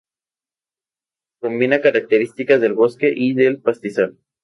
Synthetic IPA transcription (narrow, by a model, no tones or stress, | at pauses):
ko̞mbinakaɾak̚t̪eɾist̪ikazðe̞lβo̞skeʔiðe̞lpast̪isal